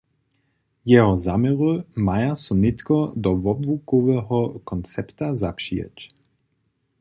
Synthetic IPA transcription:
jɛɦɔzamɛʁumajasunɪt̪kɔd̪ɔvɔbvukɔvɛɦɔkɔnt͡sɛpt̪azapʃijɛ̰c

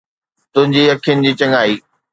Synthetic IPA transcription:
t̪ʊ̃ɦɪ̃ɲd͡ʑiːɐkʰijʊnɪ̆d͡ʑiːt͡ɕɐŋaːiː

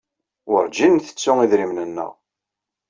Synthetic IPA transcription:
ʊɾd͡ʒinθə̥t͡sːʊŋiðɾimnənːə̰ʁ

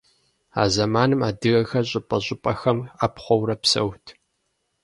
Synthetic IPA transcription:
a̰ːzɐmaːnɨmaːdɨɣɐxɐɕʼɪpʼɐʑʼɪpʼɐxɐmaːpχʷɔwɾɐpsɐ̰wtʰ

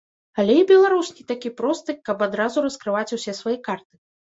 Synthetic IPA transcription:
alʲɛibʲɛlˠaɾusʲnʲit̪akʲipɾɔst̪ɨkɐpad̪ɾazuɾɐskɾɨvat͡sʲusʲɛsvajikart̪ɨ̥

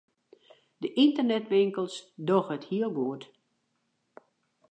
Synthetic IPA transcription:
dəʔintərnɛtʋɪŋkəlˠsdɔxəthiəlˠɡoət

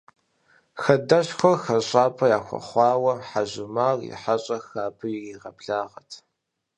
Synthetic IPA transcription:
xɐdɐɕxʷɐxɐɕʼaːpʰɐjaːxʷɐ̰χʷɑːwɐħaʒɪmaːrḭħaɕʼɐxaːpʰɨjɪiːʁɐpɬaːʁɐtʰ

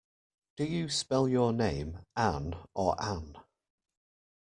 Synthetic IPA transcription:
d̥əjəspɛlˠjənẽɪ̃mʔãnʔə̰ɹʔãn

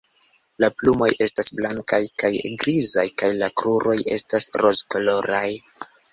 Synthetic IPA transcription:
laplumo̞je̞stasblaŋkajkajɡɾizajkajlakɾuɾo̞je̞̰stasɾo̞zkolo̞ɾaj

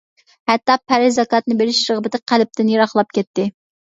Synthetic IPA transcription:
hɛt̪ːɑpʰːæɾɪzɑkɑːt̪nɨbeɾɪʃɾɨʁbɪt̪ɪqʰælp̚t̪ʰɪnjɑɾɑχlˠɑp̚kʲɛt̪ːɪ

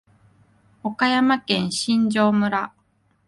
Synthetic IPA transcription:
o̞kajamakẽ̞ɰ̃ɕĩɲ̟d͡ʑo̞ːmɯ̟ɾa

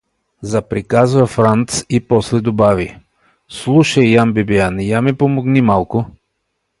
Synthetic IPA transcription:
zɐpɾikazvɐfɾant̪sipɔslɛd̪obavi | slˠuʃɐjjambibianjamipomoɡnimalˠkʊ

